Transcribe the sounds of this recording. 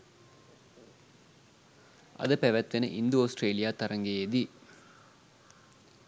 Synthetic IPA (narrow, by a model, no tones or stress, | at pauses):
ɐ̰d̪ɐpɛʋɐt̪ʋenɐ̰ʔind̪uoːsʈɾeːlijaːt̪ɐɾɐŋɡeːed̪i